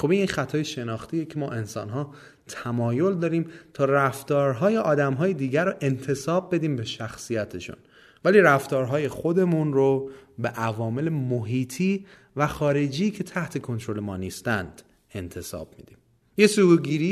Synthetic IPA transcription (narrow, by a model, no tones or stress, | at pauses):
χobinixæt̪ʰɒːjeʃe̞nɒːxt̪ʰijecʰe̞mɒːʔe̞nsɒ̰ːnɦɒː | t̪ʰæmɒːjo̞ld̪ɒːɾiːmt̪ʰɒːræft̪ɒːɾɦɒːje̞ʔɒːd̪æmɦɒːjed̪iːɟæɾoʔe̞nt̪ʰe̞sɒːb̚ːe̞d̪iːmbe̞ʃæxsijæt̪ʰe̞ʃṵn | væliːɾæft̪ɒːɾɦɒːje̞χo̞d̪e̞munrobeʔævɒːme̞lemoɦiːt̪ʰiː | væχɒːɾe̞d͡ʒiːcʰe̞t̪ʰæht̪ʰe̞kʰont̪ʰɾo̞le̞mɒ̰ːniːst̪ænd̪̥ | e̞nt̪ʰe̞sɒ̰b̥̚mḭd̪iːm | jesuɾɡiːɾiː